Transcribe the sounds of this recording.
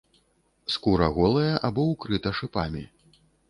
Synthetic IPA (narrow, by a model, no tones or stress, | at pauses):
skuɾɐɣɔlˠɐjɐʔabɔwkɾɨt̪ɐʂɨpamʲi